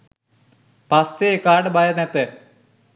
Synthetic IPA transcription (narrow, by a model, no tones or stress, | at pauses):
pɐsekaːɖbajɐnet̪ːɨ